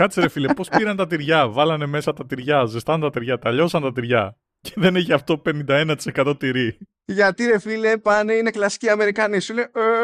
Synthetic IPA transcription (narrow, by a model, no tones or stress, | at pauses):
kɐt̪seɾe̞filepo̞spiɾɐnt̪ɐt̪̬iɾʝɐvɐlɐne̞me̞sɐt̪ɐt̪iɾʝɐzest̪ɐnet̪ɐt̪iɾʝɐt̪ɐʎo̞sɐnt̪ɐt̪iɾʝɐ | ceðe̞neçiɐft̪o̞pe̞nind̪ɐe̞nɐt̪i̥se̞kɐt̪o̞t̪iɾi | ʝɐt̪iɾe̞filepɐneine̞klɐsi̥ciɐme̞ɾikɐnisuleo